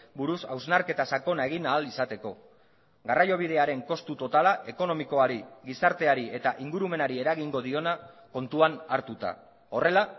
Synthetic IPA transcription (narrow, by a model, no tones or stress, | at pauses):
buɾusawznaɾke̞t̪asako̞nae̞ɣ̞inaːlisat̪e̞ko̞ | ɡarajo̞β̞ið̞e̞aɾe̞ŋko̞st̪ut̪o̞t̪alaʔe̞ko̞no̞miko̞aɾiɣisaɾt̪e̞aɾie̞t̪aʔiŋɡuɾume̞naɾie̞ɾaɣiŋɡo̞ð̞io̞nako̞nt̪uanaɾt̪ut̪a̰ | o̞re̞la